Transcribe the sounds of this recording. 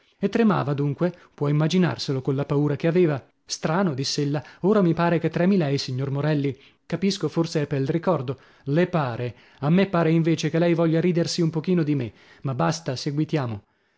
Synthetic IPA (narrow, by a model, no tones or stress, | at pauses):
et̪ːɾema̰ːvad̪uŋkwepwɔimːad͡ʒina̰rselokonlapauːɾakeaveːva | st̪ɾaːnod̪isːeelːaoːɾamipaːɾeket̪ːɾɛːmilɛjsiɲːormoɾɛlːi | kapiskoforseɛpːelrikɔrd̪o | lepaːɾe | amːepːaːɾeiɱveːt͡ʃekelɛjvɔʎːaɾiːd̪ersiumpok̟iːnod̪ime | mabːast̪aseɡwit̪jaːmo